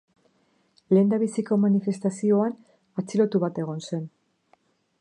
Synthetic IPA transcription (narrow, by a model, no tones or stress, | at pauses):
le̞ːnd̪aβisiko̞manife̞st̪asio̞an | at͡silo̞t̪uβat̪e̞ɣ̞o̞nse̞n